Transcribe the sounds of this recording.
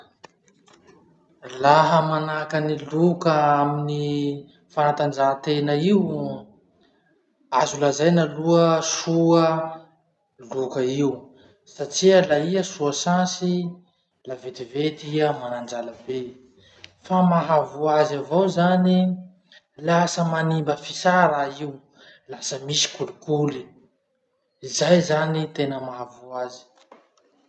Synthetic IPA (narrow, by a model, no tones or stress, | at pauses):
laɦəmanakənilukəamini | fanat̪and͡ʒat̪enəiu | azulazajnaluəsuə | lukəiwu | saʈ͡ʂiəlaiəsuəsãsi | lavet̪ivet̪iəmanand͡ʒaləbe | famaɦavuazavowzani | lasəmanimbəfisaɾaiu | lasəmisi̥kulukuli | izajzanit̪enəmaɦavuazi̥